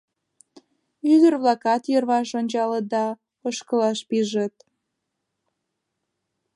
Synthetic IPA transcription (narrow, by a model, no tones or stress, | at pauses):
yd̪ərβlɑkɑt̪jərβɑʃonʲt͡ɕɑlət̪̚d̪ɑ | əʃkə̆lɑʃpiʒət̪